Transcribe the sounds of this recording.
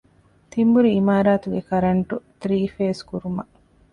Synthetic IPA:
t̪imbuɾiːmaːɾaːt̪uɡekɐɾɐɳʈut̪ɾiːfeːskuɾumɐ

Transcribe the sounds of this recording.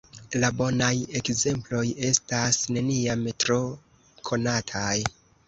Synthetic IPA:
labo̞naje̞kze̞mplo̞je̞stasne̞niametɾo̞ | kʰo̞natʰaj

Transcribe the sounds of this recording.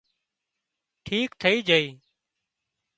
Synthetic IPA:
ʈʰiːkt̪ʰəiːd͡ʒʱəiː

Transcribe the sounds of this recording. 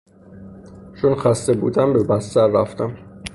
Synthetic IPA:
t͡ʃʰonxæst̪ebṵːd̪æmbebæst̪æɾːæft̪æm

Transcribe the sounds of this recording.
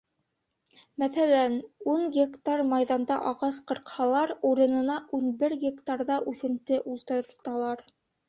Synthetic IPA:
mæθælænuɴɡʲekt̪armɑjðɑnd̪ɑʔɑʁɑsqɤ̆ɾqhɑlˠɑɾuɾɤ̆nɤ̆nɑʔunbɘɾɡʲekt̪arðɑʔʉθɘ̆mt̪ɘʔulˠt̪ɤ̆ɾt̪ɑlˠɑɾ

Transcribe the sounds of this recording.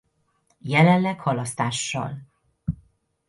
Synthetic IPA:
jɛlɛnlɛkhɒlɒst̪aːʃːɒ̰l

